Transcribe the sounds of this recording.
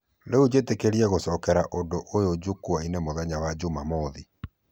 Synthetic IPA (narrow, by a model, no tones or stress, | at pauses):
leud͡ʑetekeɾiɛɣosɔkɛɾaʔondoʔojod͡ʒukuainemoðɛɲawad͡ʒumamɔði